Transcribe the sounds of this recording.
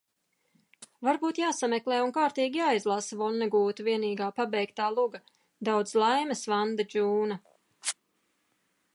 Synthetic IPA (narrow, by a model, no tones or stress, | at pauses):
vaɾbuːt̪jaːsamɛklˠɛːunkaːɾt̪iːɡʲijaːjzlˠasavɔnːɛɡuːt̪uviɛniːɡaːpabɛjkt̪aːlˠuɡa | d̪awd̪zlˠajməsvand̪ad͡ʒuːna